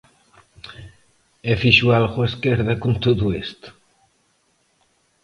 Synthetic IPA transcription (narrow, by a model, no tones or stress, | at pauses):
efiʃualχweskeɾðakunt̪oðuest̪